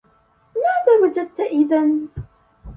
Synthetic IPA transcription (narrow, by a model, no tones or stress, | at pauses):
maːðaːwad͡ʒad̪̚t̪aʔɪðan